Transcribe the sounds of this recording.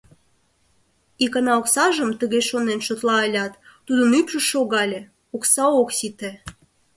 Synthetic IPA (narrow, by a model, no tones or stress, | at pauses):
ikɑnɑoksɑʒəmt̪əɣeʃonenʃot̪lɑəlʲɑt̪ːud̪ənypʃəʃoɣɑlʲe | oksɑoksit̪e